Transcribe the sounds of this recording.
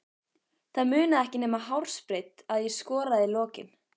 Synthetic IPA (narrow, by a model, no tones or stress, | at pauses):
θaðmʏːnaɛhcɪnɛːmaɦawɾ̥spɾejt̪aðjɛskɔːɾaðilɔːcɪ̰n